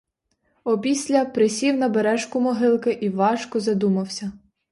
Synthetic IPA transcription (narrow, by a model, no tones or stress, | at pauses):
ɔpʲisʲlʲɐpɾɪsʲiwnɐbeɾɛʃkʊmɔɦɪlˠkɪʔiʋɑʃkɔzɐd̪umɐwsʲɐ